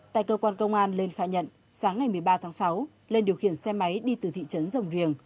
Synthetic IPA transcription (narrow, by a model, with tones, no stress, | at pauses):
t̪a̰ː˧˨jkəː˧kwaː˧nkə˧wŋ͡mʔaː˧nle˧nxaː˨˦ɲə̰˧˨n | saː˨˦ŋːa˨˩jmɨ˨˩əjɓaː˧t̪ʰaː˨˦ŋsa˨˦w | le˧nɗi˨˩əwxḭ˧˩ənsɛ˧ma˨˦jɗi˧t̪ɨ˨˩t̪ʰḭ˧˨t͡ɕə˨˦nzə˨˩wŋ͡mzi˨˩əŋ